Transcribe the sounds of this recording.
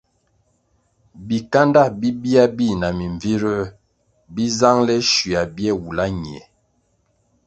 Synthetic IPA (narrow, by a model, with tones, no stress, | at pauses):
bi˨ka˦nda˦˨bi˦bi˦a˦bi˦˨na˨mi˨ɱvi˦ɾə˦ | bi˦za˦ŋlɛ˦ʃi˨a˨bjɛ˦˨wu˨la˦ɲi˨ɛ˨